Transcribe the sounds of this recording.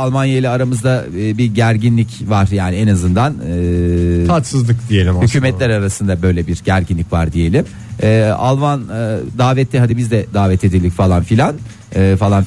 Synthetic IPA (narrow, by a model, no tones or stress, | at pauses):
alˠmanjailʲɛːɾamɯzd̪abiɟæɾɟinlʲicvaɾ̥jaːnɪɛnazɯnd̪anɯat͡ʃsɯzlˠɯkd̪ijelʲimhycʰyːmɛt̪lʲæɾaɾasɯnd̪abø̞jlʲɛbiɾɟæɾɟinlʲicvaɾd̪ije̞lʲimː | alˠmand̪aːvɛt̪ʰːiɦad̪ibizd̪ɛd̪aːvɛt̪ʰe̞d̪ilʲdicfalˠanfilʲan | ɯːfalˠan